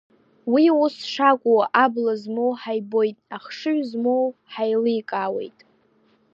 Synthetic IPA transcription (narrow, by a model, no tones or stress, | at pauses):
wiusʂakʷʼuwaʔablazmowħajbo̞jtʼaχʂɨɥʷzmowħajlɨkʼawe̞̰jtʼ